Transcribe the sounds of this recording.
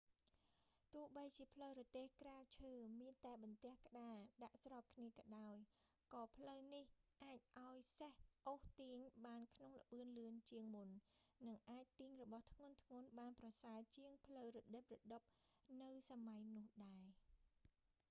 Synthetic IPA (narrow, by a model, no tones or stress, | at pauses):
t̪ʊ̆əhɓəjt͡ɕiəpʰləwɾɔt̪eːhkraːt͡ɕʰəːmiənt̪aɛɓɑnt̪ɛ̆əhkə̆ɗaːɗaʔsrɑːp̚kʰniəkɑɗaɔj | kɑːpʰləwnihʔaːc̚ʔaɔjsəhʔoːht̪iːŋɓaːnkʰnoŋlə̆ɓɨənlɨənt͡ɕiəŋmunːɨŋʔaːc̚t̪iːŋrɔɓɑht̪ʰŋʊ̆ənt̪ʰŋŭənɓaːnprɑsaət͡ɕiəŋpʰləwrɔɗəp̚rɔɗɨp̚nɨwsamajnʊ̆əhɗaɛ